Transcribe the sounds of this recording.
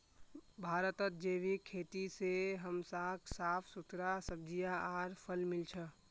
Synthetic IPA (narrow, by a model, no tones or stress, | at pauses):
bʱaːɾət̪ət̪̚d͡ʒebikʰet̪iseɦəmsaːkʰsaːpʰsut̪ɾasəb̚d͡ʒijaaɾpʰəlmɪlt͡ʃʰə